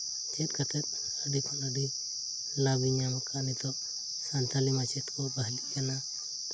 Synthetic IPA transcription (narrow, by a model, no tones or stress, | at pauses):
t͡ʃɛt̪̚ˀkat̪ʰɛt̪̚ | əɖipʰalaɖi | labiɲamakanit̪ɔ | sant̪ʰalimat͡ʃɛt̪kɔbaɦlijana